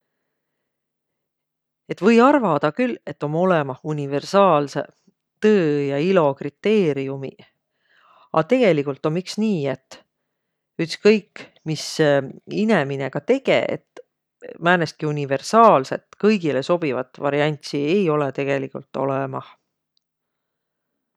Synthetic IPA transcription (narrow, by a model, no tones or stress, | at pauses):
e̞t̪ːvɤ̞jɑrvɑd̪̥ɑkyle̞t̪ːˑo̞mo̞lemɑhunʲive̞rsɑːlse̞̰ | t̪ɤːjɑilo̞krit̪ːˑe̞ːɾiumḭ | ɑ̰t̪e̞ɡ̥e̞likult̪ːˑo̞mːiksniːe̞t̪ːˑ | yt̪skɤjkː | mis | ine̞mine̞kɑt̪e̞ɡ̥e̞̰ḛt̪ | mæːneskiunʲive̞rsɑːlse̞̰t̪ːˑkɤjɡile̞so̞b̥ivɑ̰t̪ːˑvɑɾiɑnʲt̪siejo̞let̪e̞ɡ̥e̞likult̪ːˑo̞̰lemɑh